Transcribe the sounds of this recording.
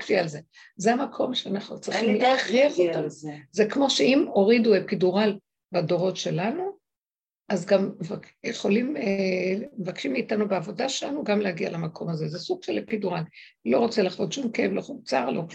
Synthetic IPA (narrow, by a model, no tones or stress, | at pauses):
kʃialze | zeamakʰo̞mʃeanaχnut͡sʁiχimlaχʁiʁot̪anuzekmo̞ʃeimo̞ʁiduepiduʁal | bado̞ʁo̞tʃe̞lanu | ʔazɡamva | jeχo̞lim | mevakʃimiːtanubeavo̞daʃelanuɡamlehaɡialamakʰo̞mazezesuɡ̥ʃelepiduʁal | lo̞ʁo̞t͡selaχvo̞t̪ʃumkevloχumt͡saʁlok